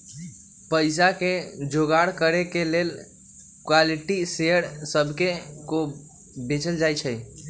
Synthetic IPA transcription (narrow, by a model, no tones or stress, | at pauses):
pəɪs̬aked͡ʒoɡaɽkəɾekelel | kwaliʈisejəɾsəbʱkeko | bet͡ʃəld͡ʒajt͡ʃʰəj